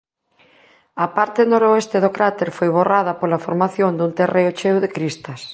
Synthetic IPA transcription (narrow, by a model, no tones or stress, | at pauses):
ɐpaɾt̪ɪnoɾoest̪ɪðokɾat̪eɾfojβoraðɐpolɐfoɾmaθjond̪unt̪ereot͡ʃewðekɾist̪ɐs